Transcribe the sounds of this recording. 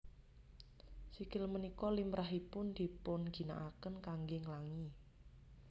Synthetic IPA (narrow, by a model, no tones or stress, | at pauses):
sikɪlmənikɔlimɾaɦipʊnd̪̥i̤pʊnɡ̥i̤na̰ʔakənkaŋɡeŋlaŋi